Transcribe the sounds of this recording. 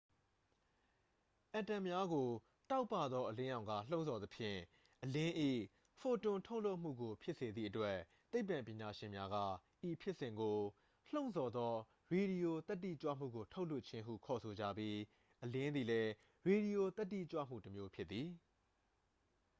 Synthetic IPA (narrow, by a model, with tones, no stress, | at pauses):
ʔã˨tã˨mja˦ɡo˨ | ta˦ʊpːa˦˨d̪ðɔ˦ʔəlɪ̃˦jã˨ʊ̃ŋɡa̰˦˨l̥õ˦ʊ̃nzɔ˨t̪ə˨pʰjɪ̰̃˦˨ | ʔəlɪ̃˦ʔḭ˦˨ | fo˨tʊ̃˨tʰo˦ʊʔlo˦ʊʔm̥ṵ˦˨ɡo˨pʰjɪ˦ʔse˨d̪ḭ˦˨ʔətwɛ˦ | t̪e˦ɪpːã˨mpjɪ̃˨ɲa˨ʃɪ̃˨mja˦ɡä̰˦˨ʔi˨pʰjɪ˦ʔsɪ̃˨ŋɡo˨ | l̥õ˦ʊ̃nzɔ˨d̪ɔ˦ | ɹe˨ɾi˨jo˨t̪ɛ˦tːḭ˦˨t͡ɕwä̰˦˨m̥ṵ˦˨ɡo˨tʰo˦ʊʔlʊ˦ʔt͡ɕʰɪ̃˦ɦṵ˦˨kʰɔ˨sʰo˨d͡ʑä̰˦˨bji˦ | ʔəlɪ̃˦nd̪i˨lɛ˦ | ɹe˨ɾi˨jo˨t̪ɛ˦tːḭ˦˨t͡ɕwä̰˦˨m̥ṵ˦˨təmjo˦pʰjɪ˦i˨